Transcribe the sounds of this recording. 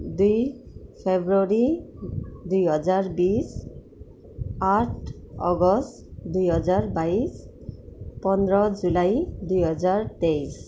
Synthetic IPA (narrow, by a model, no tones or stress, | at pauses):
d̪ujpʰebɹoɹi | d̪ujɦɔzaɹbis | aʈʰ | ɔɡɔstd̪ujɦɔzaɹbajs | pɔnɹɔzulajdujɦɔzaɹt̪ejs